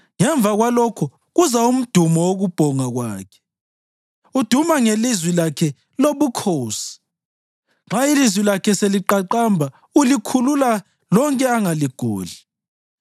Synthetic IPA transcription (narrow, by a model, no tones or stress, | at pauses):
ŋɛɱb̪vʱaɣwalɔkʰɔ | ɣuzaum̩d̥ʱumɔwoɣub̥ʱɔŋaɣwaːkʰɛ̥ | ud̥ʱumaŋelizwilakʰɛ | loβukʰoːsi̥ | ŋ͡ǁʱailizwilakʰɛseliǃaǃambʱa | ulikʰulula | lɔŋkʼɛaŋaliɡ̥ʱṵːli